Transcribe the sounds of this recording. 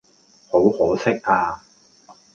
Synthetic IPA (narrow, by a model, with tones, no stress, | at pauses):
ho˨˥whɔː˨˥sɪ˥k̚ʔaː˧